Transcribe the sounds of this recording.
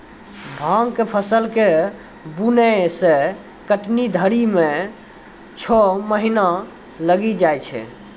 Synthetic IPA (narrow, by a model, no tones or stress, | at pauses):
bʱãŋkepʰəsəlke | bunesẽ | kəʈnid̪ʱəɾime | t͡ʃʰɔməɦina | ləɡid͡ʒajt͡ʃʰɛ̰